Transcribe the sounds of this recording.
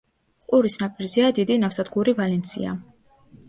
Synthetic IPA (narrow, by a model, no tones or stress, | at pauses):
qʼuɾisnapʼiɾziad̪id̪inafsad̪ɡuɾivalɛnt̪sʰḭa̰